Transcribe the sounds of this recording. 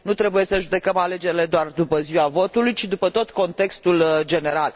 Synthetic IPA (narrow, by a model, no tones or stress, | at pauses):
nut̪ɾe̞buje̞səʒud̪e̞kəmale̞d͡ʒe̞ɾile̞d̪oard̪upəziwavo̞t̪ulujt͡ʃid̪upət̪o̞t̪ko̞nt̪e̞kst̪uld͡ʒe̞ne̞ɾal